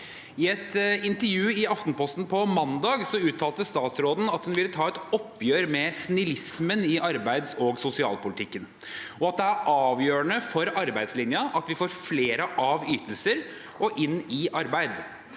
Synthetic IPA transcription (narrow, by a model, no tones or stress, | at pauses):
ɪɛt̪ɪnt̪əɾjʉːɪɑft̪npʰɔst̪n̩pʰɔmɑnd̪ɑːɡsɔʉːt̪ʰːɑːlt̪əst̪ɑːt̪sɾoːd̪n̩ɑt̪hʉnʋɪlːət̪ʰɑːɛt̪ɔpːjøːɾmɛsnɪlɪsmənɪʔɑɾbæɪd̪sɔɡsʊsɪɑ̰ːlpʊlɪt̪ʰɪkːən | ɔɑt̪̚d̪ɛæɾʔɑːʋjøːəɳəfɔɾɑɾbæɪd̪slɪnjɑʔɑt̪ʋɪfoːɾfleːɾəʔɑʋyːt̪əlsəɾ | ɔʔɪnːɪʔɑɾbæɪd̪